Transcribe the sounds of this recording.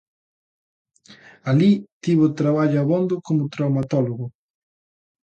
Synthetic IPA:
alit̪iβʊt̪ɾaβaʎʊaβond̪ʊkomʊt̪ɾawmat̪ɔloɣʊ

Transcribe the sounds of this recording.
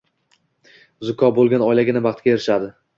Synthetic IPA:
zʊkʰɒbolˠɡʲanɒjlaɡʲɪnabɑχt̪̚kʲaeɾɪʃad̪ɪ

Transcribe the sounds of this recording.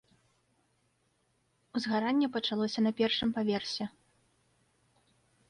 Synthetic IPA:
uzɣaɾanʲːɛpɐt͡ʂalˠɔsʲɐnɐpʲɛrʂɨmpavʲɛrsʲɛ

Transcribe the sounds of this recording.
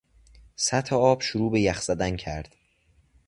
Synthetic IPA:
sæt̪ʰeɒːb̥ʃoɾuːbe̞jæxz̥æd̪æncʰæɾd̪̥

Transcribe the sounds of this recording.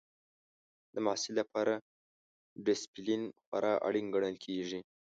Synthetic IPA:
d̪əmaʕsɪlːapɑɾa | ɖɪspilinxwaɾɑʔa̰ɽiŋɡaɳəlkʰeʐi

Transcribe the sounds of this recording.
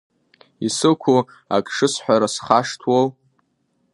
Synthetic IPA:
isɨkʷʰu | a̰kʼʂɨsħʷᶣaɾasχaʂtʰwol

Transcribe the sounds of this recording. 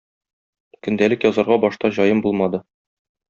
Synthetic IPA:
kɵ̆nd̪ælɘkjɒzɑɾʁɑbɒʃt̪ɑʑɒjɤmbulˠmɑd̪ɤ

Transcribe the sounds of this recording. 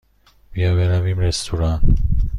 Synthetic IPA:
mijɑβeɾævimɾest̪ʰuɾɑːn

